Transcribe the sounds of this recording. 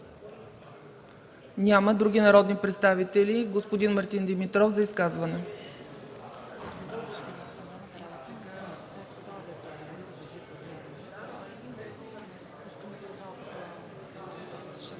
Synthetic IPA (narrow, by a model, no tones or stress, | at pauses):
nʲaməd̪ɾuɡʲinɐɾɔd̪nipɾɛt̪st̪avit̪ɛlʲiɡospod̪inmɐɾt̪ind̪ɛmit̪ɾɔfzɐiskazvɐnɛ